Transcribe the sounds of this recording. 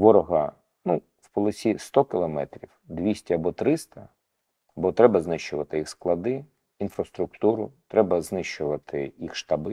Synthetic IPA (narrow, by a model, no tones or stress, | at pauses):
ʋɔɾɔɦɐ | nu | wpɔlˠɐsʲist̪ɔkɪlˠɔmɛ̰t̪ɾʲiwd̪ʋʲisʲtʲɐɐbɔt̪ɾɪst̪ɐ | bɔt̪ɾɛbɐznɪʃt͡ʃʊʋɐt̪ɪjixsklˠɐd̪ɪ | infɾɐst̪ɾʊk̚t̪uɾʊt̪ɾɛbɐznɪʃt͡ʃʊʋɐt̪ɪjixʃt̪ɐbɪ